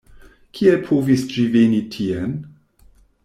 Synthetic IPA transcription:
kʰielpʰovisd͡ʒivenitʰien

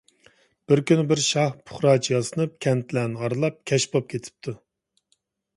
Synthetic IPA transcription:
b̥ɪɾkʲynɪbɪɾʃɑhpʰʊ̥χɾɑːt͡ʃʰijɑsɨnɨp̚kʲʰɛnt̪ʰlɛnɪɑɾlˠɑp̚kʲʰɛʃbop̚kʲʰet̪ʰɪ̥p̚t̪ʰu

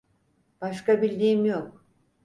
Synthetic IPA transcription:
b̥aʃkabilʲd̪iːmjok̚

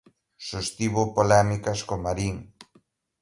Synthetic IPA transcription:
ʃost̪iβopolɛmikaskomaɾiŋ

